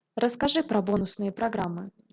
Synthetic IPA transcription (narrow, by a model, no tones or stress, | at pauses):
ɾʔəskaʐɨpɾɐbonʊsnɨjəpɾɐɡɾamːɨ